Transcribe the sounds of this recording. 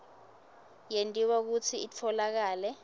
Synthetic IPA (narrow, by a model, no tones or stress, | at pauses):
jentʼiwak̬ut͡sʰiit͡fʰɔlak̬aːlɛ